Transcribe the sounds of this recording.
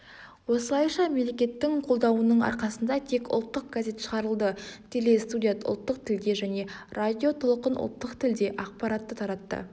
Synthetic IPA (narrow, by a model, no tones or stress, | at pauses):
wo̞səlˠɑjʃɑmemlʲe̞kʲe̞t̪ːɪŋqʰo̞lˠd̪ɑwənəɴɑ̰ɾqɑsənd̪ɑt̪ʰe̞kʊ̰lˠt̪ːəq̚ɡaze̞t̪ʃəʁɑɾəlˠd̪ət̪ʲʰe̞le̞st̪ud̪ʲijat̪ʊ̰lˠt̪ːəq̚t̪ʰɪld̪e̞ʒæne̞rad̪ʲijo̞t̪ʰolˠqənʔʊ̰lˠt̪ːəqt̪ʰɪld̪e̞ʔɑq̚pɑɾɑt̪ːət̪ʰɑɾɑt̪ːə̰